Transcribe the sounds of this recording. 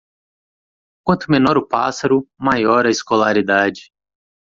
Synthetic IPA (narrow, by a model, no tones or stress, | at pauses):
kwɐ̃nt̪ʊmenɔɾʊpa̰saɾʊmajɔɾɐiskolaɾid̪ad͡ʒɪ